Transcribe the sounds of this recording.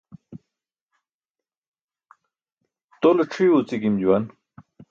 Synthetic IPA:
t̪olɐʈ͡ʂʰiot͡sikimd͡ʑuwan

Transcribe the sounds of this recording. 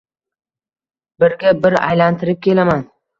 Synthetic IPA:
bɪɾɡʲabɪɾa̰jlant̪ʰɪɾɪp̚kʲʰe̞laman

